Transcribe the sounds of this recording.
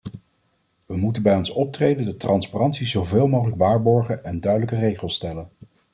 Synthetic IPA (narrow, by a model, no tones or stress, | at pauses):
ʋəmutənbɛjɔnsɔp̚trejdəndətrɑnsparɑntsizowveːlˠmowχələkʋaːɹbɔɹχənɛndœɥdələkərejχəlˠstɛlən